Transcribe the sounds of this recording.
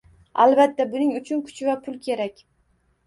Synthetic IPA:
a̰lbat̪ːabʊnɪŋʊt͡ʃʰʊnkʰʊ̥t͡ʃʰɪvapʰʊlˠkʲʰe̞ɾakʲ

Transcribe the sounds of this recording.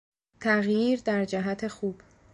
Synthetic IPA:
t̪ʰæɣjiːɾd̪æɾd͡ʒæɦæt̪ʰe̞xuːb̥

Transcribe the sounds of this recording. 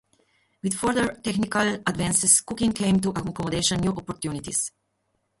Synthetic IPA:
wid̪fɔɹd̪əɹtɛxnikaladvɛ̃nsɪskukĩŋkẽɪ̃mt̪uʔakɔmɔd̪eʃɔ̃nːjuʔɔpɔɾt̪junit̪is

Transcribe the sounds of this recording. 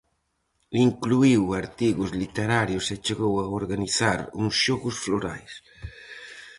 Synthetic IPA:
iŋkluiwaɾt̪iɣʊzlit̪eɾaɾjʊset͡ʃeɣowaoɾɣaniθaɾuŋsʃɔɣʊsfloɾa̰js

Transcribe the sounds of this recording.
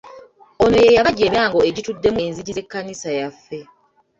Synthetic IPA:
o̞no̞jejaβaɟeːmjaːŋɡo̞e̞ɟitudːe̞menziɟize̞kːanisajafːe̞

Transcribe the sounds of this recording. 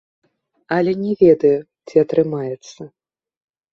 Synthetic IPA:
ɐlʲɛnʲɛvʲɛd̪ɐjɛ | t͡sʲiɐt̪ɾɨmajɛt̪sːɐ

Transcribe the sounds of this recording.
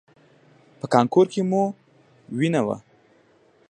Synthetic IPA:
pəkɑŋkoɾkemu | winawa̰

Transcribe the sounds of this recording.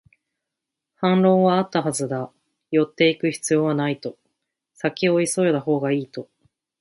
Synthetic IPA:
hãnɾõ̞ːβaːt̪ːaɦazɨd̪a | jo̞t̪ːe̞ikɯ̟çi̥t͡sɨjo̞ːβanait̪o̞ | sakʲio̞iso̞jod̪aɦo̞ːɡaiːt̪o̞

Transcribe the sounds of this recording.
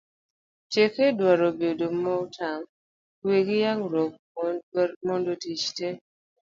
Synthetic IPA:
tjekedwaɾobedomɔutʰam | weɡijaŋɾok̚ | mondotit͡ʃte

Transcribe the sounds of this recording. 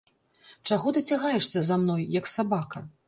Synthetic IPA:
t͡ʂaɣɔd̪ɐt͡sʲaɣajɛʂsʲɐzamnɔjːɐksabakɐ

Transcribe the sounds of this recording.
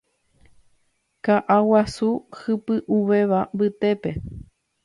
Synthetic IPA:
kaʔawasuhɨpɨʔuʋe̞ʋambɨt̪e̞pe̞

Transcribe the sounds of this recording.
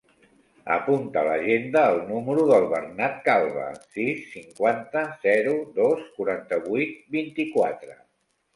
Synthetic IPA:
ə̰punt̪ələ̰ʒend̪əːlˠnuməɾuðəlˠβərnat̪̚kalˠβə̰sisːiŋkwant̪əzɛɾuðoskuɾant̪əβujt̪̚bint̪ikwat̪ɾə

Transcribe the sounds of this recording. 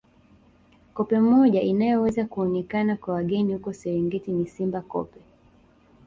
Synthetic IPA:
kɔpɛm̩mɔʄainajɔwɛzakuɔnɛkanakwawaɠɛnihukɔsɛɾiŋɡɛtinisimbakɔ̰pɛ

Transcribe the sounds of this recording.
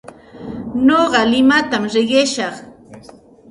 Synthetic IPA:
noɢɑlɪmat̪amɾɪɢɪʃɑχ

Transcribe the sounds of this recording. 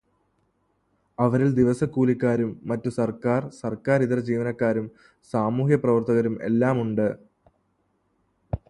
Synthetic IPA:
ɐʋɐɾild̪iʋɐsɐkːuːlikːaːɾumːɐtːusɐrkaːrsɐrkaːɾiðɐrd͡ʑiːʋɐnɐkːaːɾum | saːmuːhjɐprɐʋɐrt̪ɐɣɐɾume̞̰lːaːmuɳɖɨ

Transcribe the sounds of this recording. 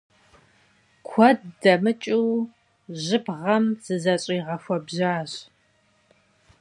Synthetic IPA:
kʷʰɔdːɐmɨt͡ʃʼiw | ʑɪbʁɐmz̥ɨzɐɕʼɪjʁɐfʷɔbʑaːɕ

